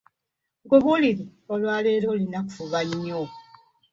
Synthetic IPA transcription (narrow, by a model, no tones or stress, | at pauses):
ŋɡoβuliɾiolwaːleːɾolinaku̥fuβaɲːo